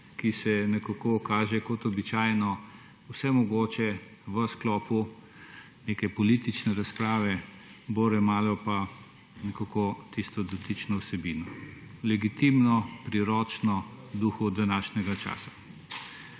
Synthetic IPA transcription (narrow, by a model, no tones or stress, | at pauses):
kisɛnɛkakokaːʒɛkɔt̪ɔbit͡ʃaːjnɔ | wsɛmɔɡoːt͡ʃɛ | ʋəsklɔːpu | neːkɛpɔlit̪it͡ʃnɛɾaspɾaːʋɛboɾɛmaːlɔpa | nɛkakot̪ist̪ɔd̪ɔt̪it͡ʃnɔwsɛbiːnɔ | lɛɡit̪imnɔpɾiɾɔːt͡ʃnɔd̪uːxud̪anaːʃnʲɛɡat͡ʃa̰ːsḁ